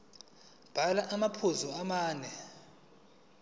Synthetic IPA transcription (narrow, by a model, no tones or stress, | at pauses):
b̥ʱalaʔamapʰuzɔamaːnɛ